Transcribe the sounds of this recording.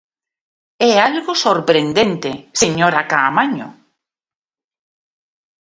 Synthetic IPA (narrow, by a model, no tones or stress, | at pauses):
ɛalɣʊsoɾpɾend̪ent̪eseɲoɾakamaɲʊ̰